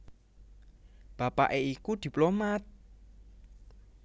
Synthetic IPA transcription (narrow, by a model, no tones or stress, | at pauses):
b̥a̤pa̰ʔeikud̪̥i̤plomat̪̚